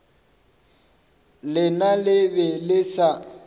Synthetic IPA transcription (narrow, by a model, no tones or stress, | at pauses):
lɪnalɪbɪlɪsa